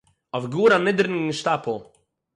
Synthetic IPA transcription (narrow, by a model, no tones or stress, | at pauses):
ɔvɡuɾamɪd̪ɾnʃt̪apʰu